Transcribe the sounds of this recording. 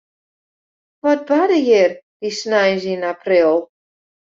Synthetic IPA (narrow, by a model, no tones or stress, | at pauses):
ʋɔt̚badəjɪrd̥isnajzinapʰrɪlˠ